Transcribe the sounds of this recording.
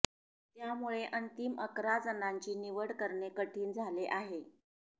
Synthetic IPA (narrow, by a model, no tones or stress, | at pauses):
t̪jamuɭeʔənt̪iməkɾad͡zənaɲt͡ɕiːniʋəɽkəɾɳekəʈʰiːnd͡zʱaleʔaɦe